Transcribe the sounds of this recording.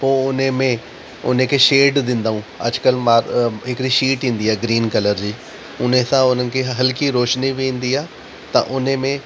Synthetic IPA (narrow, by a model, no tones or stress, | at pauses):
poːʊnmẽ | ʊ̰n̤ẽkʰeʃeːɖd̪ɪ̃nd̪aːɦũːɐ̰d͡ʑkəlmaːɾɦɪkɽiʃiːʈɦĩːnd̪iaːɡɾiːnkɐləɾd͡ʑiː | ʊn̤ẽsãʊn̤ənɪ̆kʰeɦɐlkiɾoːʃniʋẽːn̆d̪iaː | t̪ɐ̰ʔʊn̤mẽ